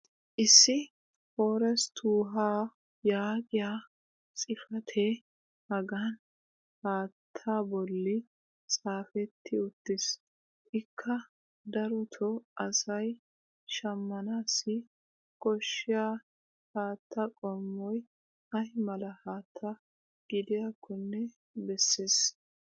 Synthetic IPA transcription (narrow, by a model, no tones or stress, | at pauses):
ʔɪsːɪ | hoːɾɛst̪ʰuːɦaː | jaːɡɪjaː | t͡sʼɪfɐt̪ʰe | hɐɡan | haːt̪ʰːaːbɔlːɪ | t͡sʼaːfɛt̪ʰːɪʊt̪ːɪs | ʔɪkʰːɐ | d̪ɐɾɔt̪ʰɔʔɐsɐj | ʃɐmːɐnaːsɪ | kʼɔʃːɪjaː | haːt̪ʰːɐkʼɔmːɔj | ɐhɪmɐlɐhaːt̪ʰːɐ | ɡ̥ɪd̪ɪjakːɔnːɛ | bɛsːeːs